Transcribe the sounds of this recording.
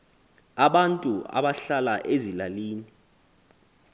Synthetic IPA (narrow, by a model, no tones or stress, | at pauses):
aɓantʼuʔa̰ɓaɬalaʔezilaliːni